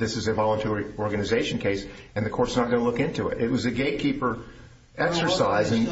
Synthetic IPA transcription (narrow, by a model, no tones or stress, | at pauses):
ðɪsɨzɨvɑlˠə̃ntʰɛɹiɔɹɡɨnɨzeɪʃn̩kʰeɪsɨ̃nðɨkʰɔɹtsnət̚ɡ̥ʌnəlʊkɪ̃ntʰʉɪ̰ɾɨt̚wʌzɨɡeɪt̚kʰipə˞ | ɛksə˞saɪzɨ̃n